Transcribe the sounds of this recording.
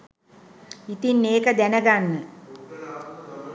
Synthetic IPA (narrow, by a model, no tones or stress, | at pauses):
it̪inːeːkəd̪ænəɡanːə